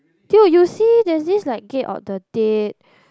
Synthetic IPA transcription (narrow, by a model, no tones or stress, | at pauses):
tjujusidɛsdislaɪk̚ɡetɔ̰fdəd̥et̚